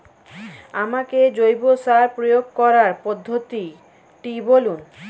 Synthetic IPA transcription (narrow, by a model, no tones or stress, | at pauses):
amaked͡ʑojbosaɾpɾojoɡ̚kɔɾaɾpod̪ʱːot̪i | ʈibolun